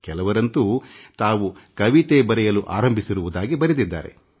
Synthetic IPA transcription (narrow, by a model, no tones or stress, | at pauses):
kɛlɐʋɐɾɐnt̪ut̪aːʋukɐʋit̪ebɐɾɛjɐluʔa̰ːɾɐmbʱisiɾuʋud̪aːɡibɐɾed̪id̪ːa̰ːɾe̞̰